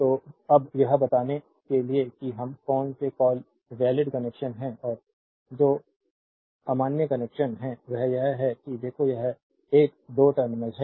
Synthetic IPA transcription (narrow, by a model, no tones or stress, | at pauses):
t̪oːɐbjɐɦbɐt̪aːne | keliekiɦɐmkɔːnsekɔːl | ʋɛːlɪɖkɐneːkʃənɦɛ̃ʔɔːɾ | d͡ʒoː | ɐmaːnjəkɐnɛːkʃənɦɛ̃ʋɛɦjɐɦɦɛkid̪eːkʰojɐɦ | eːk̚d̪oːʈɐɾmɪnẽd͡ʒɦɛ